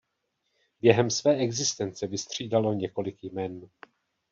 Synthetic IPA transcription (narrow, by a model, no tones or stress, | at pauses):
bjɛɦɛmsvɛːʔɛɡzɪst̪ɛnt͡sɛvɪst̪r̝̥iːdalo̞ɲɛko̞lɪkjmɛn